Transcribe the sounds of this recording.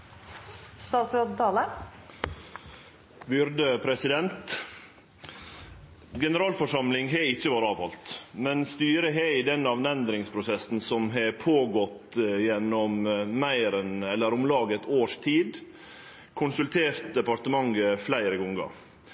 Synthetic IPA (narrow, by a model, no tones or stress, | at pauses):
st̪ɑːt̪sɾoːd̪t̪ʰɑːlə | bʏɾd̪əpʰɾɛsɪd̪ɛnt̪ | ɡɛnəɾɑːlfɔʂɑmlɪŋɦɛɪçːəʋɑːɾəɑːʋhɑlt̪mɛnst̪yːɾəɦeid̪ɛnɑʋnɛnd̪ɾɪŋspʰɾʊsɛsn̩sɔmɦɛpʰoːɡɔt̪jɛnːɔmmæɪɾɛnɛlːəɾʊmlɑːɡət̪ʰoːʂt̪ʰiːd̪ | kʰʊnsʉlt̪ʰeːɾt̪̚d̪ɛpɑɾt̪əmɑŋəflæɪɾəɡɔŋɡɑ̰